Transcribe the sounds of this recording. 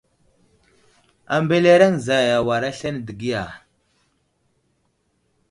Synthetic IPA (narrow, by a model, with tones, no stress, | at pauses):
a˨mbe˦le˦ɾa˦ŋza˨ja˨wa˨ɾa˦ɬa˦n˨də˨ɡi˦ja˨